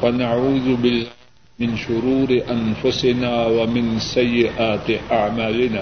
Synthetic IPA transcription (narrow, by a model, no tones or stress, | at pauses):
wanaʕuːðʊbɪlːa | mɪnʃʊɾuːɾɪʔanfʊsɪnaːwamɪnsajːɪʔaːt̪ɪʔaʕmaːlɪnaː